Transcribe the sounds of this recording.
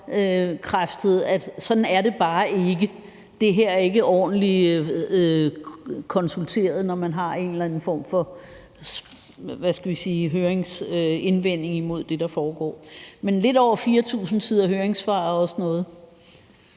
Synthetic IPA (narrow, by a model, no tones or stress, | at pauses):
økʰʁafd̥ð̩̰ˠæd̥sɒ̽d̥n̩æɐɾe̝b̥ɑ̈ːʔe̝ɡ̥ə | d̥e̝ɦeɐ̰æɐe̝ɡ̥əʔɒ̰ːd̥n̩li | kʰɒ̽nsult͡sʰe̝̰ːɐð̩ˠnɒmænɦɑ̈e̝nlæn̩fɒ̰ːmfɒ̽ | ʋæsɡ̥æʋisiːɦøːɐeŋsøe̝nʋen̰e̝ŋimo̝ð̞̰ˠd̥e̝d̥ɑ̈fɒːɡ̥ɒ̰ːmenle̝dɒʊ̰ɐfiːɐt͡sʰṵːsn̩sʰiðˠɐɦøːɐeŋsfɑ̰̈ːɐɒ̽sənɔ̽ːð̞̩ˠ